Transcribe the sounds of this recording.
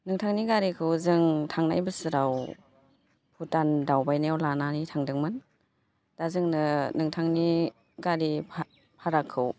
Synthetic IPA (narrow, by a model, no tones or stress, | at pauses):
nɯŋtʰaŋniɡaɾikʰɯwzɯŋtʰaŋna̰jbɯsɯɾaw | pʰutandawbajnawlananitʰaŋdɯŋmɯn | d̥azɯŋnɯnɯŋtʰaŋni | ɡaɾi | pʰaɾakʰːɯw